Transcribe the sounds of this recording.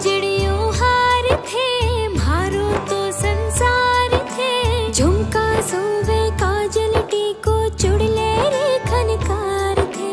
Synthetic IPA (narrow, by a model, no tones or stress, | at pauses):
d͡ʒɪɽijoɦaːɾt̪ʰemaːɾot̪osənsaːɾt̪ʰed͡ʒʱʊmkãsəʋekãːd͡ʒəlʈikot͡ʃʊɽleɾikʰɐnkaɾt̪ʰeː